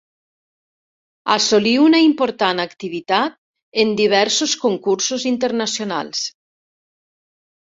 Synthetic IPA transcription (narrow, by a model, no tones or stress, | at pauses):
asoliunaimpoɾt̪anakt̪iβ̞it̪at̪̚ | end̪iβ̞ɛɾsoskoŋkuɾsozint̪eɾnasjona̰lˠs